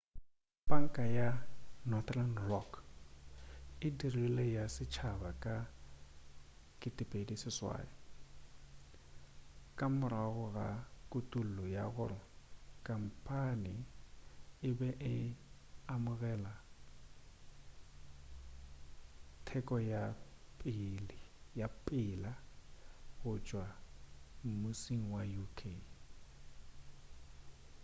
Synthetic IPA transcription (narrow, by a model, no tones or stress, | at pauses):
baŋ̩kʼajanɔθlandrɔk | ɪdirilejasɪt͡ʃʰabakʼa | kʼɪtʼɪpʼedisɪswa̰ːjɔ | kʼamʊɾaɣʊɣakʼutʼul̩lɔjaɣʊrɔkʼam̩pʰʼanɪ | ɪbɛʔɪ | amʊɣɛla | tʰɛkʼɔjapʼɪljapʼɪla | ɣʊt͡ʃʼwa | m̩mʊsiŋ̩wajukʰe